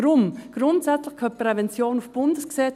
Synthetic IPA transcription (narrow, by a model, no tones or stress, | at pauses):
ɾʊmɡ̥rʊntsæt͡slɪχkʰœpʁɛvɛnt͡sjoːnufb̥ʊndəsksɛ